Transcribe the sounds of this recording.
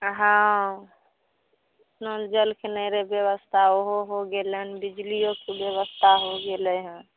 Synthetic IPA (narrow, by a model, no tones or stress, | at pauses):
ɦã | t̪nod͡ʒəlkenəɾebjeβəst̪ʰaoɦoɦoɡelɛnbid͡ʒlijokebjeβəst̪ʰaɦoɡelɛɦə̃